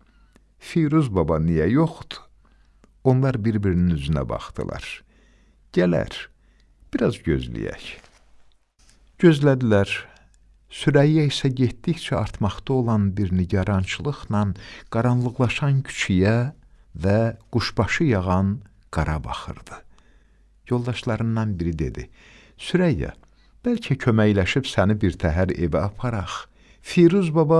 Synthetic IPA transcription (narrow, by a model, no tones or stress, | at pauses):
fijɾuzbɑbɑnijæjoχd̪̥u̥ | o̞nlˠɑɾbiɾbiɾininyzynæ̰bɑ̰χd̪ɯ̰lˠɑ̰ɾ̥ | ɟ̥ælæ̰ɾ | b̥iɾɑzɟø̞̰zlḭjæ̰ç | ɟø̞zlæd̪ilæɾ | syɾæjjæisæɟet̪d̪içt͡ʃʰæɑɾt̪ʰmɑχt̪ɑo̞lˠɑnbiɾniɟɑɾɑnt͡ʃʰɯlˠɯχnɑnɡ̥ɑɾɑnlˠɯɣlˠɑʃɑncʰy̥t͡ʃʰijæ | væɡ̥uʃb̥ɑʃɯjɑɣɑn | ɡ̥ɑɾɑbɑ̰χɯ̰ɾd̪ɯ̥ | jo̞lˠd̪ɑʃlˠɑɾɯnd̪ɑnbiɾid̪e̞̰d̪i | syɾæjːæ̰ | b̥ælcʰæcʰø̞mæjlæʃipsænibiɾt̪ʰæɦæɾḛvæɑpʰɑɾɑχ | fiɾuzbɑbɑ